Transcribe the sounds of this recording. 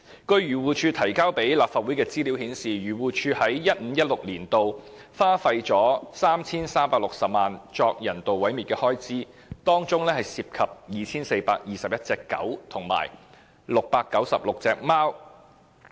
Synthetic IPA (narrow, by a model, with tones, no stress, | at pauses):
kɵ˧ɥɥyː˨˩wuː˨˩t͡ʃʰyː˧t̪ʰɐ˨˩jkaː˥wpe˨˥jlaː˨p̚faː˨t̚uː˨˥jkɛː˧t͡siː˥li˨˥whiː˨˥nsiː˨jyː˨˩wuː˨t͡ʃʰyː˧hɐ˨˥jjɐ˥t̚m̩˨˧˥jɐ˥t̚lʊ˨k̚liː˨˩nt̪o˨wfaː˥fɐ˧jt͡sɔː˨˥saː˥mt͡sʰiː˥nsaː˥mpaː˧k̚lʊ˨k̚sɐ˨p̚maː˨nt͡ʃɔː˧k̚jɐ˨˩nt̪o˨wwɐ˨˥jmiː˨t̚kɛː˧hɔː˥jt͡siː˥ | t̪ɔː˥ŋt͡sʊ˥ŋlɛː˥hɐ˨jsiː˧p̚kʰɐ˨p̚jiː˨t͡sʰiː˥nse˧jpaː˧k̚jiː˨sɐ˨p̚jɐ˥t̚t͡sɛː˧kːɐ̰˨˥wt̪ʰʊ˨˩ŋma̰ː˨˩j | lʊ˨k̚paː˧kːɐ˨˥wsɐ˨p̚lʊ˨k̚t͡sɛː˧k̚maː˥w